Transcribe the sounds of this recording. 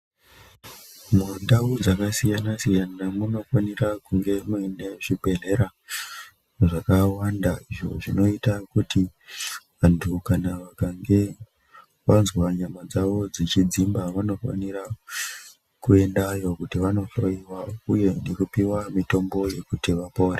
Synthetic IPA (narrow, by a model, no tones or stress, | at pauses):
mundaud͡zakasijanasijanamuno̞fanirakuŋɡe̞mueneʐibʱe̞ɮe̞ɾa | ʐakawandaiʐo̞̰ʐino̞itakuti | ʋantʰukanaʋakaŋɡe̞ | ʋanzwwaɲamad͡zaʋo̞d͡zit͡ʃid͡zimbaʋano̞fa̰niɾa | kue̞ndajo̞kutiʋano̞ɬo̞iwauje̞nekupiwamito̞mbo̞je̞kutiʋapoːre